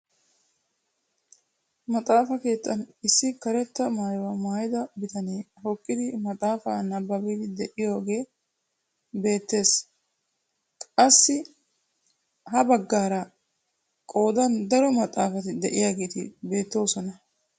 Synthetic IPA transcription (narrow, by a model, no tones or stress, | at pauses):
mɐt̪ʼaːfɐke̞ːt̪ːɐnɪsːɪkɐɾɛt̪ːɐmaːjwɐmaːjɪd̪ɐbɪt̪ʰɐneːhɔkʼːɪd̪ɪmɐt̪ʼaːfaːnɐbːɐbɛd̪ɪd̪ɛʔɪjo̞ːɡe̞ː | be̞ːt̪ːe̞ːs | kʼɐsːɪ | ɦɐbɐɡːaːɾɐ | kʼo̞ːd̪ɐnd̪ɐɾɔmɐt̪ʼːaːfɐt̪ɪd̪ɛʔɪjaːɡe̞ːt̪ɪ̰be̞ːt̪ːo̞ːsɔnɐ